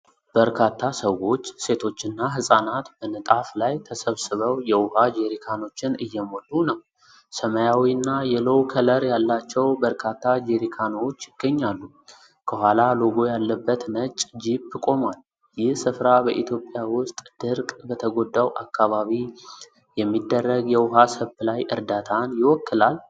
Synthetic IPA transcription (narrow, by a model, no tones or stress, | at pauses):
b̥əɾkʰat̪ʰːasəwo̞t͡ʃːse̞t̪ʰo̞t͡ʃːɨnːaɦɨsʼanat̪bənɨt̪ʼaflajt̪ʰəsəβsɨβəwjɛwʊhad͡ʒeɾikʰano̞t͡ʃːɪnɨjːɛmo̞lːunəw | səməjawinːajɛlowkʰələɾjalːat͡ʃːɛwbəɾkʰat̪ʰːad͡ʒeɾikʰano̞t͡ʃːjɪɡ̥ːəɲːalːu | kʰəhʷalaloɡo̞jalːəbːət̪nət͡ʃʼd͡ʒibɨkʼo̞mal | jɪhsɨfɾabəʔit̪ʰjo̞pʼjawʊst̪ʼd̪̥ɨɾkʼbət̪ʰəɡod̪ːawʔakʰːaβaβi | jɛmːid̪ːərːəɡjɛwʊɦasəβlajʔɨ̰ɾd̪at̪ʰanjɪwɔkːɨlal